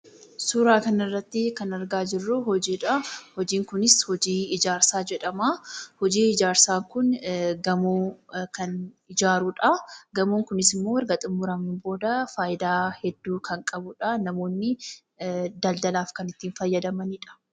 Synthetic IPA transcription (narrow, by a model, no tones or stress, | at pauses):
suːɾaːkɐnɪrːɐt̪ːɪkɐnɐɾɡaːd͡ʒɪrːʊhɔd͡ʒiːᶑɐhɔd͡ʒiːŋkʊnɪshɔd͡ʒiːɪd͡ʒaːɾsaːd͡ʒɛᶑɐmaːhɔd͡ʒiːɪd͡ʒaːɾsaːŋkʊnɡɐmoːkɐn | ɪd͡ʒaːɾuᶑɐɡɐmuːŋkʊnɪsɪmːoːɐɾɡɐt̪ʼɪmːʊɾɐmɪnbo̞ːd̪ɐfaːʔɪd̪aːhɛd̪ːuːkʰɐŋkʼɐbʊᶑɐnɐmo̞ːnːɪ | d̪ɐld̪ɐlaːfkɐnɪt̪ːiːnfɐjːɐd̪ɐmɐnɪᶑɐ̥